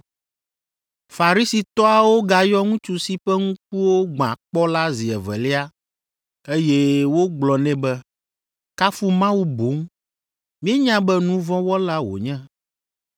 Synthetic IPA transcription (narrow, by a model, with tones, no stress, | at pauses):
fa˨ɾi˦si˨t̪ɔ˦a˨wo˦ɡa˨jɔ˦ŋũ˦t͡ʃu˦si˦ɸɛ˦ŋũ˦k̚u˦wo˦ɡ͡bã̰˨k͡pɔ˦la˦zi˨ɛ˨vɛ̰˨lɛ˦a˦ | e˦je˦wo˦ɡ͡blɔ˨nɛ̃˦bɛ˦ | ka˦fu˦mã˦wu˦bo˨˦ŋ˦ | mĩ˦ɛ˦ɲã˦bɛ˦nũ˦vɔ̃˦wɔ˦la˦wo̰˨ɲɛ̃˦